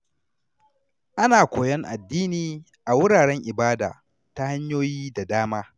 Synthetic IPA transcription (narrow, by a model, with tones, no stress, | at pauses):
ʔa˦naː˨kʷoː˨jɛ˦ŋʔa̰˨dːiː˦niː˨ | ʔa˨wʊ˦ɽaː˨ɽɛ˦ŋʔɪ˨baː˦da̰ː˨ | ta˦ha˦ɲjoː˦jiː˦da˨daː˦maː˦